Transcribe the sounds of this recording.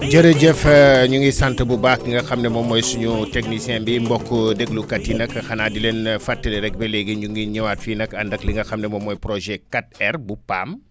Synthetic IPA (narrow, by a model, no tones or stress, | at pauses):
d͡ʒɐɾeɟɛfɐɲuŋɡisantəbubaːk̚liŋɡɐxɐmnɛmɔmɔjsuɲutɛknisiɛ̃mbimbɔkːudɛɡlukɐtːinɐkːɐxɐnadilenfatːɛlɛɾɛk̚bɛlɛɡiɲuŋɡiɲiwatfiːnɐkɐndɐkliŋɡɐxɐmnɛmɔmɔjpɾɔʒɛkat̚ɛrbupa̰m